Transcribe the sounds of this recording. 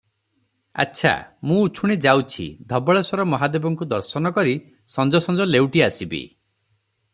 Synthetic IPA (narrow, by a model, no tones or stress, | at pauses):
a̰tːʃʰa̰mũut͡ʃʰuɽ̃ed͡ʒawt͡ʃʰḭd̪ʱɔbɔɭeswɔɾɔmɔɦad̪ebɔŋkud̪ɔɾsɔnɔkɔɾi | sɔnd͡ʒɔsɔnd͡ʒɔlewʈiasibḭ